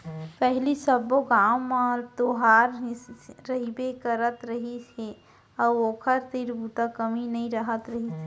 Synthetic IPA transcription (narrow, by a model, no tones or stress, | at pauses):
pɛɦlisəboɡaːwmãt̪oɦaːɾ | ɾəɦibekəɾət̪ɾəɦise | ɔoːkʰəɾt̪iɾbut̪akəminɐĩɾəɦət̪ɾəɦise